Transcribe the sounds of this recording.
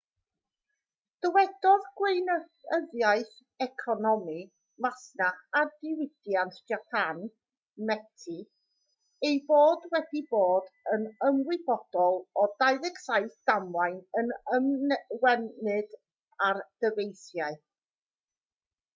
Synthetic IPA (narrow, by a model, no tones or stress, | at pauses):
d̥əwɛd̥ɔðɡwejnəəðjaɨθ | ɛkʰɔnɔmi | masnaχardɪwɪd̥jantʰd͡ʒapʰan | mɛtʰi | ejboːdwɛdiboːdənəmwɪbɔd̥ɔlˠɔdaɨðɪɡsajθd̥amlajnənəmwɛnɨd | ard̥əvejθjaɨ